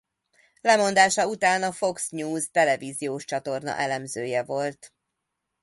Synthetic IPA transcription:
lɛmo̞nd̪aːʃɒut̪aːnɒfo̞ksɲuːzt̪ɛlɛvizijoːʃt͡ʃɒt̪o̞rnɒ̰ʔɛlɛmzøːjɛvo̞lt̪

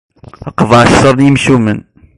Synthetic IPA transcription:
əqvʕʃsˤɑɾˤnijəmʃumən

